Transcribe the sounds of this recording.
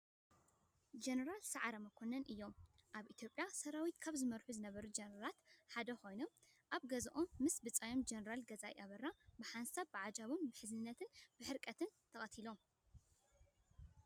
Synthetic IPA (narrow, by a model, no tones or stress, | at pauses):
d͡ʒenɐɾalsaʕaɾɐmɐkʰonɐnʔɨjːo̞mʔaβʔit̪ʰjo̞pʼjasɐɾawit̪kʰaβzɨmɐɾħuzɨnɐβɐɾud͡ʒɐnɐɾalat̪ħad̪ɐxo̞jnom | ʔaβɡɐzʔomːɨsbɨt͡sʼɐjomd͡ʒɐnɐɾalɡɐzajʔaβɐɾːabɨħansaβbɨʕad͡ʒaβombɨħɨzɨnɨnːɐt̪ʰɨnb̥ɨħɨɾkʼɐt̪ʰɨnt̪ʰɐxʼɐt̪ʰilo̞